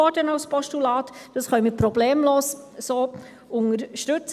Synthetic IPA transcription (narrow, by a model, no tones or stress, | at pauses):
ɔɾdənɑwspɔʃtulɑːtd̥ɑsχœʏmɪpɾɔbleːmloːs | soː | ʊŋəɾʃtɵt͡s